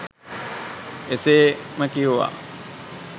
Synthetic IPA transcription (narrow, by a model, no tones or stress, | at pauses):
eseːməkiuʋa̰ː